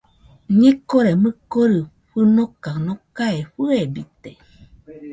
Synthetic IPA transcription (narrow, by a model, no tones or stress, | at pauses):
ɲikoɾemɨkoɾɨ | ɸɨnokanokaeɸɨebit̪e